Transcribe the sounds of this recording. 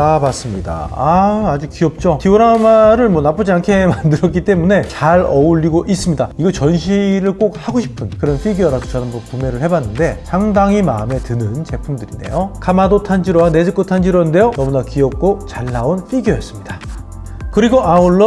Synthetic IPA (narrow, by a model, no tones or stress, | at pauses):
abas͈ɯmɲida̰aad͡ʑuk͈ːiʌp̚t͡ɕ͈otioɾamaɾɯɭmwʌnap͈ɯd͡ʑiankʰe̞mandɯɾʌk͈it͈e̞mune̞t͡ɕaɾʌuɭːiɡoʔis͈ɯmɲidaiɡʌt͡ɕʌnɕʰiɾɯɭk͈ok̚haɡoɕʰi̥pʰɯnkɯɾʌnɸʰiɡjʌɾadot͡ɕʌnambʌnkume̞ɾɯɭhe̞banːɯnde̞sʰaŋdaŋima̰ɯme̞tɯnɯnt͡ɕe̞pʰumdɯɾḭde̞̰jokamadotʰand͡ʑiɾowane̞d͡ʑɯk͈otʰand͡ʑiɾʌɯnde̞jonʌmunakiʌp̚k͈ot͡ɕaɭːaunɸʰiɡjʌjʌs͈ɯmɲid̥a | kɯɾiɡoʔauɭːʌ